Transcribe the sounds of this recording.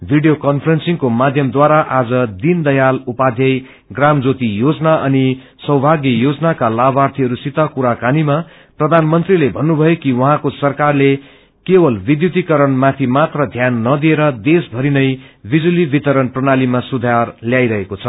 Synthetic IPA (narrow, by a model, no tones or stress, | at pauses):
bʱiɖijokʌnpʰrensiŋkomad̪ʱjʌmd̪waɾaʔad͡zʌd̪ind̪ʌjalupad̪ʱjʌj | ɡramd͡zot̪ijod͡zʌnaʔʌni | sʌwbʱaɡjʌjod͡zʌnakalabart̪ʰiɦʌɾusit̪akuɾakanima | prʌd̪ʱanmʌnt̪rilebʱʌnːubʱʌjokiwʌɦãkosʌrkarle | kebʌlbid̪jut̪ikʌɾʌnmat̪ʰimat̪rʌd̪ʱjanːʌd̪ieɾʌd̪esbʱʌɾinʌjbid͡zulibit̪ʌɾʌnprʌnalimasud̪ʱarljajɾʌɦekot͡sʰʌ